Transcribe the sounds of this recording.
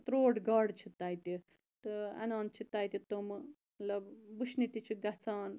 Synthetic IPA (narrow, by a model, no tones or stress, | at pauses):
t̪ɾoːɖɡɐːɖt͡ʃʰit̪aːjt̪i | t̪ɨɐ̰naːnt͡ʃʰit̪aːjt̪ʲit̪om | mɐt̪lɐbbuʃnit̪it͡ʃʰiɡɐt͡saːn